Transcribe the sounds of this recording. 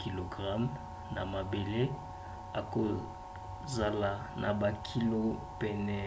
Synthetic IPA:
ki˨lo˨ɡʁa˦m | na˨ma˨be˨le˦ | a˨ko˨ | za˨la˨nʔa̰˨ba˨kʰi˦lo˦ | pɛ˨nɛ˨

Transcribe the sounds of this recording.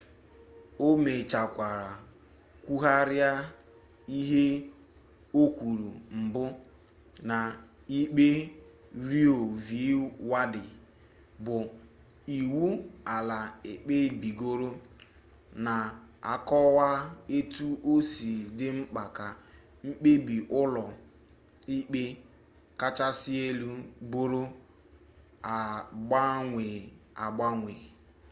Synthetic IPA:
o˦me˨t͡ʃa˨kʷa˨ɾa˨ | kʷu˦ɦa˦ɾja˦ | i˦ɦe˦ | o˦kʷu˨ɾu˨m̩˨bʊ˦ | na˨ | i˦k͡pe˦ | ɾi˦o˨vi˨˦wa˦dɪ˨ | bʊ˨ | i˨wu˦a˨la˨e˨k͡pe˦bi˨ɡo˦ɾo˦ | na˨a̰˨kɔ˦wa˦e˦tu˦ʔo˦si˨dɪ˦ŋ͡m̩˦k͡pa˨ka˨ | ŋ͡m̩˦k͡pe˦bi˨ʔʊ˦lɔ˨ | i˦k͡pe˦ | ka˦t͡ʃa˦sɪ˦e˦lu˦bo˦ɾo˦ | a˨ɡ͡ba˦ŋʷe˨a˨ɡ͡ba˦ŋʷe˨

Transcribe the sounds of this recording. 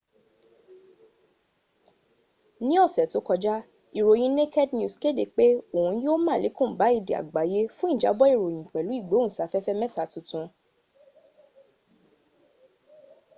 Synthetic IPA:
nĩ˦ɔ˦˨sɛ˨to˨˦kɔ˧d͡ʒa˦ | i˨ɾo˨j̃ĩ˧˦ne˦ke˦dnju˧˨ske˦˨de˨k͡pe˦o˨hũ˧˦jo˦mã˦˨le˨˦kũ˦˨ba˨˦i˦˨di˨a̰˨ɡ͡ba˨˦je˦fũ˦i˦˨d͡ʒa˨˦bɔ˦i˦˨ɾo˨j̃ĩ˨k͡pɛ˨lu˨˦i˦˨ɡ͡bo˨˦ñ̩˨sa˨˦fɛ˦fɛ˦mɛ̃˦ta˨tũ˧tũ˧

